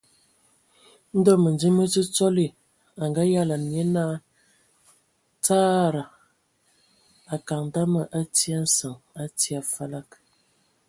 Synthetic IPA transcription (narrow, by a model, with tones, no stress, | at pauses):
n̩˦dɔ˦mə˨ndi˦mə˦t͡sə˦t͡sɔ˦li˨ | a˨ŋɡa˦ja˦la˨n˨je˦na˦ | t͡saː˦ɾa˨ | a˨ka˨ŋ˨da˦mə˨ʔa˦ti˦a˦n̩˦sə˨ŋa˦ti˦a˨fa˦la˦k